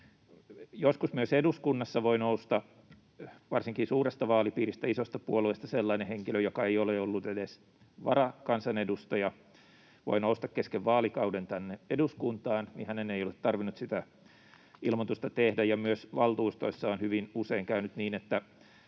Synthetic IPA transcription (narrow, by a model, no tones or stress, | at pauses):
joskusmyøseduskunːɑsːɑʋoinoust̪ɑ | ʋɑrsiŋkisuːrest̪ɑʋɑːlipiːrist̪æisost̪ɑpuoluist̪ɑselːɑineheŋkiløjokɑeijoleolːut̪edes | ʋɑ̰rɑkɑnsɑnedust̪ojɑ | ʋo̰inoust̪ɑkkeskeʋʋɑːlikɑudent̪ænːeeduskunt̪ɑːnnḭhæneneijolet̪tɑrʋinːut̪sit̪æ | ilmot̪ust̪ɑt̪ehdæjɑmyøsʋɑlt̪uːst̪o̰isːɑonhyʋinuseiŋkæynyt̪niːnet̪ːæ